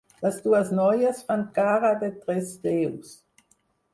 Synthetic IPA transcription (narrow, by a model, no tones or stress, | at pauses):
vasd̥uasnɔjəsfant̚ɡ̥aʁadɛtʁɛsteːus